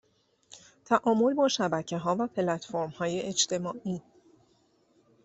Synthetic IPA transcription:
t̪ʰæʔɒːmo̞lbɒːʃæbæcʰe̞ɦɒːvæpʰe̞læt̪foɾmhɒːjeet͡ʃt̪ʰe̞mɒːʔiː

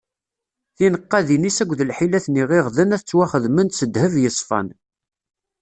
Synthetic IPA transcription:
θinəqːɑðinisæɡʷðəlħilæθniʁiʁðənæθət͡sːwæχəðmənsəd̪həvjəsˤfɑ̰n

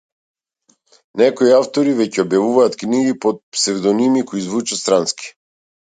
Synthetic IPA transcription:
nɛkoiaft̪ɔɾivɛcɛɔbjavuvaːt̪kniɡipot̪̚psɛvd̪ɔnimikoizvut͡ʃɛst̪ɾanskʲi̥

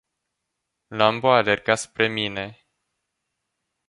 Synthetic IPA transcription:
lamboalerɡaspɾe̞mine̞

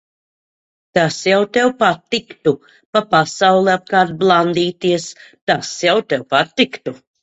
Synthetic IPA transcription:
t̪asjawt̪ɛwpat̪ːikt̪u | papasawlˠɛap̚kaːɾt̪̚blˠand̪iːt̪iɛst̪asjawt̪ɛwpat̪ːikt̪u

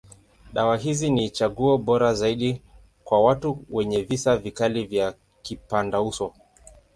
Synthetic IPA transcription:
ɗawaɦizinit͡ʃaɠuɔɓɔɾazaiɗi | kwawatuwɛɲɛvisavikalivja | kipandausɔ

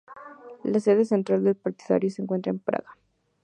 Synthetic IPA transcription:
laseðe̞s̬ent̪ɾald̪e̞lpaɾt̪iða̰ɾjoseːŋkwent̪ɾaempɾa̰ɣa

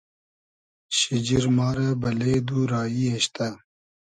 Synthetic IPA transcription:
ɕid͡ʑiɾmɑːɾabɐleːd̪uːɾɑːjiɐɕt̪a

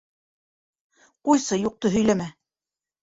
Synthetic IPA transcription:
qujsɤjuq̚t̪ɤɦɵ̆jlæmæ

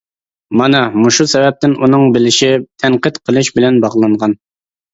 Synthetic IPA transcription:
mɑnɑmuʃusɛvɛp̚t̪ɪnunɨŋbɪlɪʃit̪ʰɛɴqət̪qʰəlˠɨʃbɪlɛnbɑʁlˠɑɴʁɑn

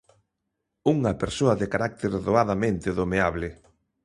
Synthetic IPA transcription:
uŋɐpeɾsoɐðekaɾak̚t̪eɾðoaðamẽnt̪ɪðomeaβlɪ

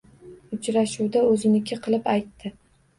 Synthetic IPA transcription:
ʊt͡ʃɾaʃuwd̪aɵzɪnɪkʲʰɪqʰɨlˠɪpajt̪ːɪ

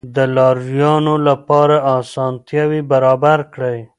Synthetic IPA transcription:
d̪əlɑɾjɑnolapɑɾaʔɑsɑnt̪jɑwibaɾɑbaɾkɽaj

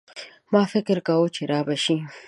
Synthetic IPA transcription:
mɑfɪkɾkawut͡ʃeɾɑːbaʃi

